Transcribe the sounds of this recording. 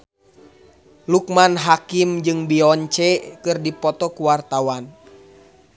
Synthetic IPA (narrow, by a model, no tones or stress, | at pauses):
luk̚manɦakimd͡ʒɨŋbiɔɲt͡ʃɛkɨrdipɔt̪ɔkuwart̪awan